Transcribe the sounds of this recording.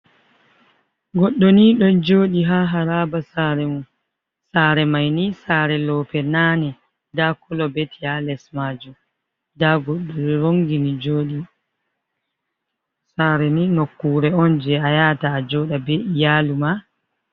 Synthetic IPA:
ɡɔɗːoniɗɔnd͡ʒoːɗiɦaɦaɾabasaɾɛmu | saɾɛmajnisaːɾɛlɔːpɛnaːnɛ | dakɔlɔbetialɛsmad͡ʒu | daɡɔɗːɔɾiɾoŋɡinid͡ʒoːɗi | saːɾɛninokːuːɾɛɔnd͡ʒɛajataːd͡ʒɔɗabeijaːluma

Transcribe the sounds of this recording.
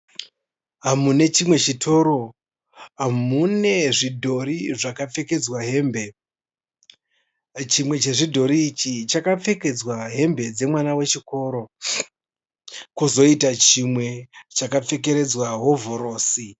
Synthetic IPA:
ɦamune̞t͡ʃimwe̞t͡ʃitʰo̞ːɾo̞ | ɦamune̞ʐidʱo̞ɾiʐakap͡fe̞ke̞d͡zwaɦe̞mbe̞ | t͡ʃimwe̞t͡ʃe̞ʐidʱo̞ɾiːt͡ʃit͡ʃakap͡fe̞ke̞d͡zwaɦe̞mbe̞d͡ze̞mwanawe̞t͡ʃiko̞ːɾo̞ | kuzo̞itat͡ʃimwe̞t͡ʃakap͡fe̞ke̞ɾe̞d͡zwaɦo̞voɾo̞ːsi

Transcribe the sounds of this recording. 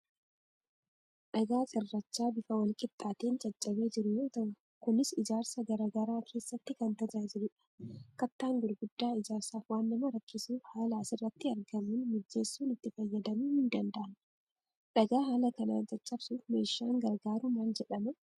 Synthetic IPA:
ᶑɐɡaːt͡ʃʼɪrːɐt͡ʃːaːbɪfɐwɐlkʼɪt̪ʼːaːt̪eːnt͡ʃʼɐt͡ʃʼːɐbe̞ːd͡ʒɪɾʊjoːt̪ɐ | kʊnɪsɪd͡ʒaːɾsɐɡɐɾɐɡɐɾaːkʰe̞ːsːɐt̪ːɪkɐnt̪ɐd͡ʒaːd͡ʒɪɾʊᶑɐ̥kɐt̪ːaːŋɡʊɾɡʊd̪ːaːɪd͡ʒaːɾsaːfwaːnːɐmɐɾɐkːɪsuːfhaːlaːsɪrːɐt̪ːɪɐɾɡɐmuːnmʊd͡ʒːeːsːuːnɪt̪ːɪfɐjːɐd̪ɐmuːhɪnd̪ɐnd̪ɐʔɐn | ᶑɐɡaːɦaːlɐkɐna̰ːnd͡ʒɐt͡ʃʼːɐbsuːfme̞ːʃːaːŋɡɐɾɡaːɾʊmaːnd͡ʒɛᶑɐmʊ

